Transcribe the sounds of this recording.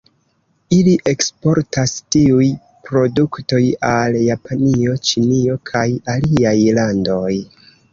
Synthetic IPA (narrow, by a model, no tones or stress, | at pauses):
iliʔe̞kspo̞ɾtastiuj | pɾo̞dukto̞jaljapʰanio̞t͡ʃinio̞kʰajaliajlando̞j